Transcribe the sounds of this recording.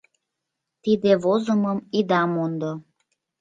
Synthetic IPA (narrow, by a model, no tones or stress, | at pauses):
t̪id̪eβozəməmid̪ɑmond̪o